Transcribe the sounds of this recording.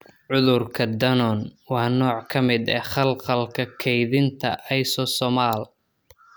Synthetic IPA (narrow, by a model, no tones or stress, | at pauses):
ʕʊðʊrkʰɐd̪ɐnɔnwɑːnɔːʕkʰɐmɪd̪ɛːχɐlqɐlkʰɐkʰɛjðɪnt̪ʰɐ̰ʔɛjsɔsɔmaːl